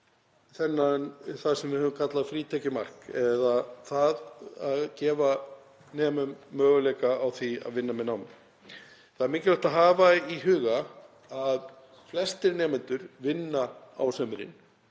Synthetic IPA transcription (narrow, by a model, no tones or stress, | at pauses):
θɛnːanθaðsɛmvɪhʏːvʏmkʰat̪laðfɾiːt̪ʰɛcɪma̰r̥kɛðaθaðaðcɛːva | nɛːmʏmːœːɣʏlɛːjkaːwθia̰ðvɪnːamɛnaːwmɪ | θaðɾmiːcɪlaht̪aɦaːvaiɦʏːɣa | að | flɛst̪ɪɾnɛːmɪnt̪ʏɾ̥vɪnːa | a̰wsœmɪɾɪ̰n